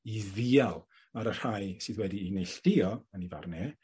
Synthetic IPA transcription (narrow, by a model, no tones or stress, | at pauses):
iðialˠ | aɾər̥ajsɨðwɛdiːnejɬd̥ɪɔəniva̰rnɛ